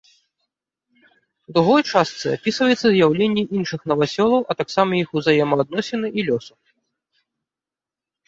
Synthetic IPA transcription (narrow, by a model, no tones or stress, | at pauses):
d̪ɾuɣɔjt͡ʂast̪sɨapʲisvɐjɛt̪sːɐzʲjawlʲenʲːiʔinʂɨxnɐvasʲɔlˠɐwʔɐt̪aksamɐjixuzajɛmɐːd̪̚nɔsʲɛnɨʔilʲɔsu